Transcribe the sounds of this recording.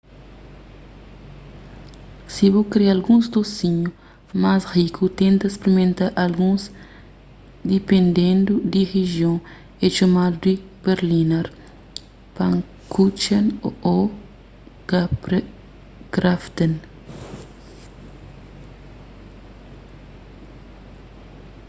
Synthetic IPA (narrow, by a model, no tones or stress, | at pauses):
sibokɾealɡũzd̪osiɲu | masrikʰut̪ẽnt̪ɐespeɾimẽnt̪aɾʔalɡũs | d̪ipẽnd̪ẽnd̪ud̪iʁeʒjõ | et͡ʃomad̪ud̪i | beɾlinaɾ | pãŋ | kut͡ʃɐnoo | kaɾ | kɾaft̪en